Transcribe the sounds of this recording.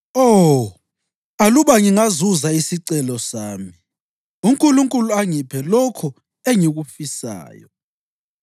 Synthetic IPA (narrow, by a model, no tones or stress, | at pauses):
o | aluβaŋiŋazuzaisiǀɛlɔsaːmi | uŋkʼuluŋkʼuluaŋipʰɛlɔkʰɔ | eŋiɣufisa̰ːjɔ